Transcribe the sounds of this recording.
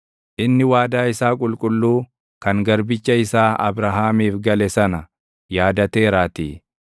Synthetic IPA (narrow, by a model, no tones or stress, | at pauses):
ʔɪnːɪwaːd̪aːɪsaːkʼʊlkʼʊlːuː | kɐŋɡɐɾbɪt͡ʃːɐɪsaːɐ̰bɾɐɦaːmiːfɡɐlɛsɐnɐ | jaːd̪ɐt̪e̞ːɾaːt̪ḭː